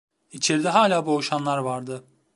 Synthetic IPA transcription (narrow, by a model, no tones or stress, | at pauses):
it͡ʃʰeɾd̪ɛɦaːlʲaːboʃanlˠaɾvaɾd̪ɯ